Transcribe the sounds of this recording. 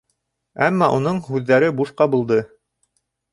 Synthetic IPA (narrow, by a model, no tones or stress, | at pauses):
æmːɑʔunɤɴhʉðːæɾɘbuʃqɑbulˠd̪ɤ